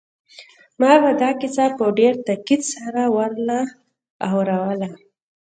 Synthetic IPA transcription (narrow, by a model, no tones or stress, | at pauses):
mɑbad̪ɑkɪsapəɖeɾt̪akid̪saɾawaɾlaː | wɾawəla